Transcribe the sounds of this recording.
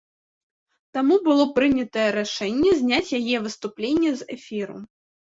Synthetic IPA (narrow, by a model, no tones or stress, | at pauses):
t̪amubɨlˠɔpɾɨnʲɐt̪ɐjɛɾaʂɛnʲːɛzʲnʲat͡sʲjajɛvɨst̪uplʲenʲːɛzɛfʲiɾṵ